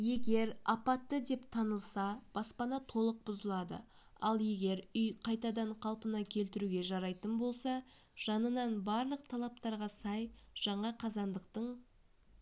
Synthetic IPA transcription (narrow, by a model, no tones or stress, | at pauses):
je̞ɡʲe̞ɾɑpɑt̪ːəd̪e̞pt̪ʰɑnəlˠsɑb̥ɑspɑnɑt̪ʰo̞lˠəq̚bʊzəlˠɑd̪ə̰ | ɑlˠje̞ɡʲe̞ɾʏjqʰɑjt̪ɑd̪ɑɴqʰɑlˠpənɑkʲʰe̞lt̪ɪɾuɡʲe̞ʒɑɾɑjt̪ənbo̞lˠsɑ | ʒ̥ɑnənɑnbɑɾlˠəq̚t̪ʰɑlˠɑp̚t̪ɑɾʁɑsɑjʒ̥ɑɴɑqʰɑzɑnd̪əqt̪əɴ